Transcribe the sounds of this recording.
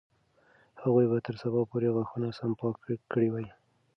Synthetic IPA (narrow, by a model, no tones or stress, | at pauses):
haɣujbat̪əɾsabɑpoɾeɣwaxunasampɑkkəɽiwaj